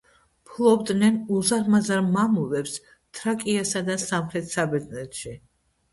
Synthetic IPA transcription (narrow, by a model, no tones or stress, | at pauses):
pʰlˠɔbd̪nɛnuzaɾmazaɾmamuvɛps | t̪ʰɾakʼiasad̪asamχɾɛt̪ʰsabɛd̪nɛt̪ʃi